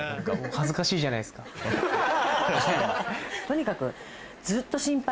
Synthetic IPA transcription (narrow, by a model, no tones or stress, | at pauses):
kːhazɨkaɕiːʑanaisɨ̥ka | t̪o̞ɲ̟ikakɯ̟̰ | d͡zɨːt̪ːo̞ɕĩmpa